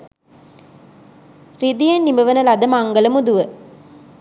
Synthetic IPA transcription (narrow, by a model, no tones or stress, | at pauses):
rid̪ijenːiməʋənɐlad̪ɐmaŋɡələmud̪uʋə